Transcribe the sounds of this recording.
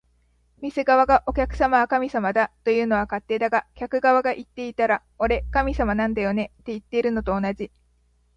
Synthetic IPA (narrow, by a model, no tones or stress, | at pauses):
mʲise̞ɡaβaɡaʔo̞kʲakɯ̟̥samaβakamʲisamad̪at̪ːo̞jɯ̟ːno̞βakat̪ːe̞ːd̪aɡakʲakɯ̟ɡaβaɡaʔit̪ːe̞it̪aɾa | o̞ɾe̞kamʲisamanãnd̪ajo̞ne̞t̪ːe̞it̪ːe̞iɾɯ̟no̞t̪o̞ːnaʑi